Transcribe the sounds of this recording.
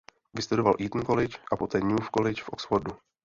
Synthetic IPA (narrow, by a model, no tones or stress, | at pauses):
vɪst̪udo̞valʔiːt̪n̩ko̞lɪt͡ʃʔapo̞t̪ɛːɲuːfkolɪt͡ʃfʔoksfoɾdu